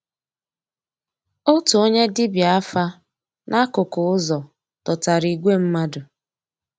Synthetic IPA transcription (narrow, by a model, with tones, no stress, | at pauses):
o˦tu˨o˦ɲe˦dɪ˦bja˦fa˦ | nʔa˦kʊ˨kʊ˨ʊ˦zɔ˨ | tɔ˨ta˨ɾi˨ɡʷe˦m̩˦ma˦dʊ˨